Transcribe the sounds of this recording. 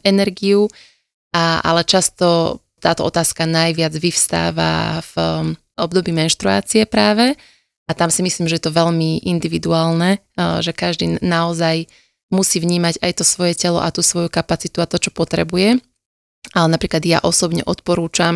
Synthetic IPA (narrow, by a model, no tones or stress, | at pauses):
ɛnɛɾɡiju | aa̰lɛt͡ʃast̪ɔ | t̪aːt̪ɔ̰ɔt̪aːskanajʋɪad͡zʋifst̪a̰ːʋa̰v | ɔb̚d̪ɔbiːmɛnʃt̪ɾua̰ːt͡siɛpɾaːʋɛ | ʔat̪amsimisliːmʒɛjɛt̪ɔʋɛʎmiʔind̪iʋid̪uaːlnɛ | ʒɛkaʒd̪iːnaɔzaj | musiːvɲiːmaɟajt̪ɔsʋɔjɛcɛlɔ̰ʔat̪uːsʋɔjukapat͡sit̪uat̪ɔt͡ʃɔpɔt̪ɾɛ̰bujɛ | alɛnapɾiːklad̪ja̰ʔɔsɔbɲɛ̰ʔɔt̪̚pɔɾuːt͡ʃam